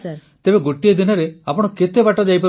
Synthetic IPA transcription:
t̪ebeɡoʈijed̪inɔɾeapɔɽ̃ɔket̪ebaʈɔd͡ʒajp̬ɔ

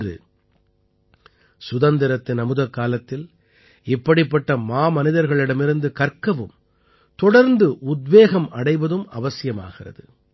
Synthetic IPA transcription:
rɯ̰ | sʊðɐnd̪ɪɾɐt̪ːɪnɐmɯðɐkːaːlɐt̪ːɪl | ɪpːɐɽɪpːɐʈːɐmaːmɐnɪðɐɾɣɐɭɪɽɐmɪɾɯnd̪ɯkɐɾkɐʋɯm | t̪ɔɽɐɾnd̪ɯʔʊd̪ʋeːɣɐmɐɽɐɪʋɐðɯmɐʋɐsɪjɐma̰ːɣɪrɐ̰ðɯ̰

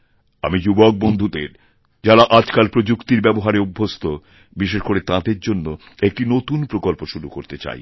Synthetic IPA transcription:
a̰mid͡ʑubok̚bond̪ʱud̪ḛɾ | d͡ʑalaʔad͡ʑkalpɾod͡ʑukt̪iɾbɛboɦaɾeubʱːost̪ʰo | biʃeʃkoɾet̪ãd̪eɾd͡ʑonːo | ek̚ʈinot̪unpɾokolpoʃuɾukoɾt̪et͡ɕa̰j

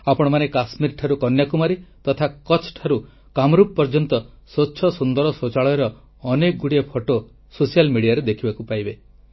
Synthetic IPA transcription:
apɔɽ̃ɔmanekasmiɾʈʰaɾukɔnjakumaɾit̪ɔt̪ʰakɔt͡ʃʰʈʰaɾu | kamɾup̚pːɔɾd͡ʒɔnt̪ɔ | sotːʃʰɔsund̪ɔɾɔsot͡ʃaɭɔeɾɔː | nek̚ɡuɽiepʰoʈo | sosijalmiɽijaɾed̪ekʰibakupajbe

